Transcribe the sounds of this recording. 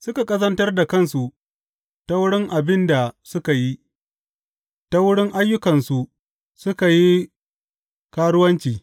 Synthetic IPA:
sʊ˦ka˨kʼɐ˦sɐ˦ntɐ˦rda˨kɐ˦˨nsu˨ | ta˦wʊ˦ɽɪ˦ŋʔa˨bɪ˦nda˨sʊ˦ka˨ji˦ | ta˦wʊ˦ɽɪ˦ŋʔa˦jːʊ˦kɐ˨nsu˨ | sʊ˦ka˨ji˦ | kaː˦ɽʊ˦wɐ˦nt͡ʃiː˨

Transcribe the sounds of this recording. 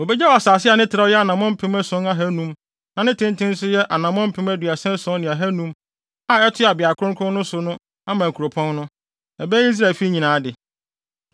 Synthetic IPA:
o˨bɛ˦d͡ʑɛ˦ɔ˨a˨saː˨sɪ˦a˨nɪ̃˦tʰɪ˨ɾa˦jɛ˦a˨nã˨mɔ̃˦m̩˦pʰɪ̃˦mæ˦sʊ̃˨˦na˦ɦæ˦nũ˦m | nã˨nɪ̃˦tʰɪ̃˦ntʰɪ̃˦n˦sʊ˦jɛ˦ʔa˨nã˨mɔ̃˦m̩˦pʰɪ̃˨˦mæ˦dɥa˨sɛ̃˦sɔ̃˦nɪ̃˨a˨ɦæ˦nũ˦m | a˦ɛ˦tʰʊ˦˨a˨bɪ˨a˨kʰʊ˦ɾʊ̃˦ŋkʰɾʊ̃˦nnʊ̃˦sʊ˨nʊ̃˦ | a˦mã˨kʰu˨ɾo˨pʰɔ̃˦nnʊ̃˦ | ɛ˨bɛ˦i˦s̬ɾa˦˨e˨fi˦ɲĩ˨nãː˨˦dɪ˨

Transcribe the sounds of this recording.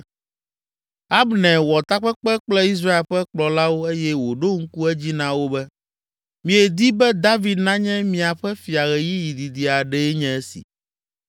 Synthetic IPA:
a˦bnɛ̃˨wɔ˨t̪a˦k͡pɛ˦k͡pɛ˦k͡plɛ˦i˦s̬ɾa˦e˨lɸɛ˦k͡plɔ˨la˦wo˦e˦jɛ˦wo˨ɖo˦ŋ̩˦ku˦ɛ˦d͡ʑi˦nã˦wo˦bɛ˦ | mĩ˨e˨d̪i˦bɛ˦d̪a˦vi˨d̪nã˦ɲɛ̃˦mĩ˨a˨ɸɛ˦fi˨a˨ɣɛ˨ji˦ji˨d̪i˨d̪i˨a˨ɖɛ˦e˦ɲɛ̃˦ɛ˦sḭ˨

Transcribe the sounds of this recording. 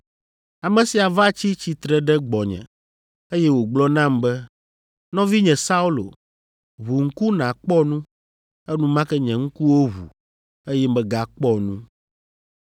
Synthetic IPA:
a˨mɛ̃˨si˨a˨va˦t͡ɕi˦t͡ɕi˨t̪ɾɛ˦ɖɛ˦ɡ͡bɔ˨ɲɛ̰̃˨ | e˦jɛ˦wo˨ɡ͡blɔ˦nã˦mbɛ˦ | nɔ̃˦vi˦ɲɛ̃˨sa˦u˦lo̰˨ | βu˨ŋ̩˦ku˦nã˨k͡pɔ˦nũ˦ | ɛ˦nũ˦mã˦kɛ˦ɲɛ̃˨ŋ̩˦ku˦wo˦ɦṵ˨ | e˦jɛ˦mɛ̃˦ɡa˦k͡pɔ˦nũ˦

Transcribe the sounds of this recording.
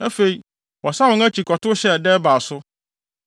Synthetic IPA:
æ˦fe˨i˨ | wɔ˨sa˦wʊ̃˨˦ŋæ˦t͡ɕʰi˨kʰɔ˨tʰʊ˦ɕɛ˦˨dɛ˦ba˨sʊ˦

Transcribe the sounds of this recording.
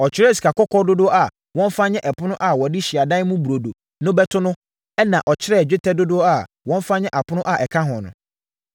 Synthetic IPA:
ɔ˨t͡ɕʰɪ˦ɾɛ˦˨si̥˨ka˨kɔ˦kʰɔ˦dʊ˦dʊ˦ɔ˦ʔa˨ | wɔ̃˦n˦fa˦ɲɛ̃˦ʔɛ˨pʰʊ˦ʊ̃˦ʔa˨wɔ˨dɪ˦ɕi˨a˨dã˦n˦mũ˦bu˨ɾo˨do˨ | nʊ̃˦bɛ˦tʰʊ˦nʊ̃˦ | ɛ˦nã˨ʔɔ˨t͡ɕʰɪ˦ɾɛ˦˨d͡ʑᶣɪ˦tʰɛ˦dʊ˦dʊ˦ɔ˦a˨ | wɔ̃˦n˦fa˦ɲɛ̃˦ʔa˨pʰʊ˦nʊ̃˦ʔa˨ʔɛ˨kʰã˦ɦɔ̃˨nʊ̰̃˨

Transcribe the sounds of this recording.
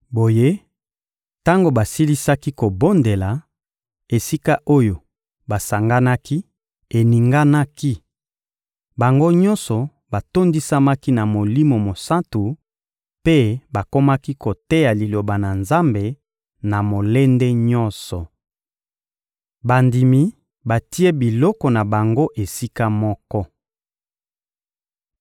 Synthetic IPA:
bo˨je˦ | ta˦ŋɡo˨ba˨si˦li˦sa˦ki˦ko˨bo˦nde˨la˨ | e˨si˦ka˦ʔo˦jo˨ | ba˨sa˨ŋɡa˦na˦ki˦ | e˨ni˨ŋɡa˦na˦ki˦ | ba˨ŋɡo˦ɲɔ̃˦nsɔ˨ | ba˨to˦ndi˦sa˦ma˦ki˦na˨mo˨li˦mo˨mo˨sa˦ntu˨ | pe˦ba˨ko˦ma˦ki˦ko˨te˦ja˨li˨lo˨ba˨na˨nza˦mbe˨ | na˨mo˨le˦nde˦ɲɔ˦nsɔ˨ | ba˨ndi˨mi˨ | ba˨ti˦e˦bi˨lɔ˦kɔ˨na˨ba˨ŋɡo˦ʔe˨si˦ka˦mɔ˦kɔ˦

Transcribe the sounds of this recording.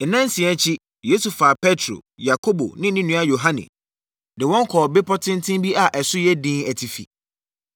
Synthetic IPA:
nã˦n̩˦sĩ˨ɛ˦t͡ɕʰi˦ | je˦su˨fa˨pʰɛ˦tʰɾo̰˨ja˨kʰo˦bo̰˨nɪ̃˦nɪ̃˦nũ˦a˦jo˨ɦã˦nɪ̰̃˨ | dɪ˨wɔ̃˦ŋ̩˦kʰɔ˨bɪ˦pʰɔ˦tʰɪ̃˦n˦tʰɪ̃˦mbi˦ʔa˨ʔɛ˨sʊ˦jɛ˦dĩ˦æ˨tʰi˨fḭ˨

